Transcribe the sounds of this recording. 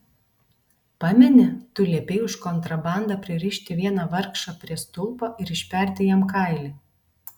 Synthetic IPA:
pɑmʲɛnʲɛt̪ʊlʲiɛpʲeɪʊʃkɔnt̪ɾɐbɑˑnd̪ɐpʲɾʲɪɾʲiːʃʲt̪ʲɪʋʲiɛnɑʋɐɾkʃɑpʲɾʲiɛst̪ʊlˠˑpoːʔɪɾɪʃʲpʲɛˑɾʲt̪ʲɪjɛmkɑˑɪlʲiː

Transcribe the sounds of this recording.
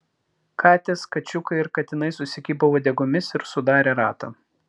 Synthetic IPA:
kʰɑːt̪ʲeːskɐt͡ʃʲʊkɐɪɪɾkɐt̪ʲɪnɐɪsʊsʲɪkʲiːbɐʋoːd̪ʲɛɡʊmʲɪsɪɾsʊd̪ɑːɾʲeːɾɑ̰ːt̪ɐ̰ː

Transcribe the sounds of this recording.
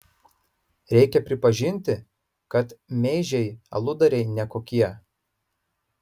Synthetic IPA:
ɾʲɛɪkʲɛpʲɾʲɪpɐʒʲɪnʲt̪ʲɪ | kɐt̪mʲɛɪʒʲɛɪɐ̰lˠʊd̪ɐɾʲɛɪnʲɛkoːkʲiɛ

